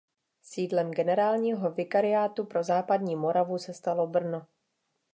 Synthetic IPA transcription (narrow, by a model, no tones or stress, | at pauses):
siːdlɛmɡɛnɛɾaːlɲiːɦo̞vɪkaɾɪjaːt̪upɾo̞zaːpadɲiːmo̞ɾavusɛst̪alo̞br̩no